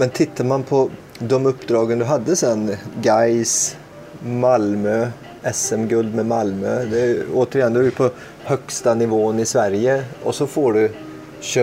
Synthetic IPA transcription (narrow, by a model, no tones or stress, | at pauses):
mɛnt̪ʰɪt̪ʰːaɾmanpʰɔ | d̪ɔmɵpːd̪ɾɑːɡənd̪ʉɦad̪ːəsɛnːɡaɪs | malmø | ɛsɛmɡɵld̪mɛmalmød̪ɛoːt̪əɾɪjɛnd̪jʊpʰɔ | hœkst̪anɪʋoːənɪsʋæɾjəɔsɔfoːɖʉ | ɕø